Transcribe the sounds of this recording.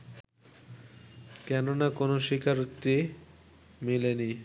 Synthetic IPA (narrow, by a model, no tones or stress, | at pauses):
kɛnonakonoʃikaɾut̪ːi | mileni